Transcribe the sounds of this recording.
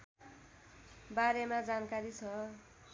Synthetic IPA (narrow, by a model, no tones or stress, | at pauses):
baɾemad͡zankaɾit͡sʰʌ